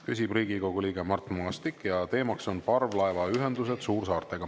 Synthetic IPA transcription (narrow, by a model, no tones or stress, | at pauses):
kysʲibriːɡiko̞ɡ̥uliːɡ̥emɑrt̪moɑst̪ikːˑjɑt̪e̞ːmɑkso̞npɑrvlɑevɑyɦe̞nd̪use̞d̪̥suːrsɑːrt̪e̞ɡ̥ɑ